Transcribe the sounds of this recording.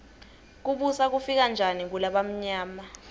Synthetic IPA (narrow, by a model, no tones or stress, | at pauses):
k̬uɓusak̬ufik̬and͡ʒʱanik̬ulaɓam̩ɲaːma